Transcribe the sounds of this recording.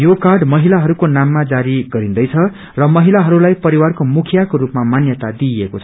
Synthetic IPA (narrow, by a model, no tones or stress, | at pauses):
jokarɖmʌɦilaɦʌɾukonamːad͡zaɾiɡʌɾĩnd̪ʌjt͡sʰʌ | rʌmʌɦilaɦʌɾulajpʌɾiwarkomukʰjakoɾupmamanjʌt̪ad̪iekot͡sʰ